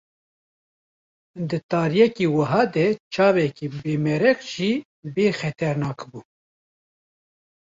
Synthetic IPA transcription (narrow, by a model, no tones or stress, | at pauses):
d̪ɨt̪ɑːɾjɛkiːwəɦɑːd̪ɛt͡ʃʰɑːvɛkiːbeːmɛɾɛkʒi | beːxɛt̪ʰɛɾnɑːkbuː